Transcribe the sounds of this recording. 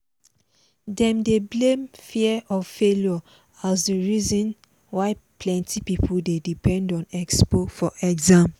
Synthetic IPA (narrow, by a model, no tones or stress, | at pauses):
dɛ̃mdeblẽmfiɛʔɔvfeljɔ | asdəɹizɔ̃n | waɪpʰlɛ̃ntʰipipʰuldedipɛ̃ndɔ̃nɛkspofɔʔɛɡzãm